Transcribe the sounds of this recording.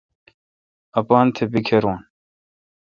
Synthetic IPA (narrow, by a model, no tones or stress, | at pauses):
ɐpaːnt̪ʰebikʰeɾuːn